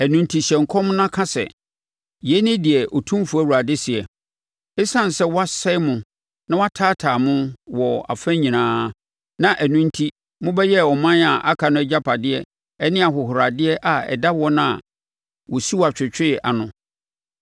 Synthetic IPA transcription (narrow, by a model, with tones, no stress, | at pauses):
æ˨nũ˨n̩˦tʰi˨ɕɛ̃˨ŋ̩˨kʰɔ̃˦m˦nã˦kʰã˦sɛ̰˨ | jɛ˦nɪ̃˦dɪ˨ɛ˨ʔɔ˨tʰũ˦m˦fu˨˦æ˦˨wu˨ɾa˨dɪ˦sɪ˨ɛ˨ | ɪ˦sã˦n˨sɛ˦wɔ˦a˦sɛ˦mʊ̃˨ | nã˦wa˦tʰaː˦tʰaː˨mʊ̃˦wɔ˨a̰˨fæ̃˦ɲĩ˨nãː˦ | nã˦ʔæ˨nũ˦n̩˦tʰi˦ | mʊ̃˦bɛ˦jɛ˦˨ɔ˨mã˦na˨ʔa˦kʰa˨nʊ̃˦ɛ˦d͡ʑa˦pʰa˨dɪ˦ɛ˦ | ɛ˦nɪ̃˦a˨ɦʊ˨ɦʊ˨ɾa˨dɪ˦ɛ˦ʔa˨ɛ̰˨da˦wɔ˦nã˦˨ | wɔ˨si˦wa˨t͡ɕᶣɪ˨t͡ɕᶣɪ˦˨ʔa̰˨nʊ̰̃˨